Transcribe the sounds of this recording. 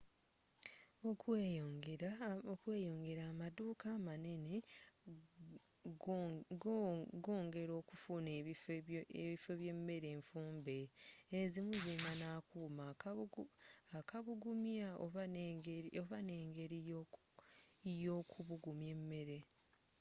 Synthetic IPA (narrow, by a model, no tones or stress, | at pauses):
okeɡokwe̞ːjo̞ːŋɡe̞ɾaːmaduːkaːmane̞ne | ɡɡoːŋɡe̞ɾo̞ːkufune | eβife̞βje̞mːe̞ɾe̞ːɱfuːmbe̞ːzimuzeːmanaːkuːma | akaβuɡumjao | oβaneːŋɡe̞ɾio | jo̞kʰuβuɡumje̞mːe̞ɾe̞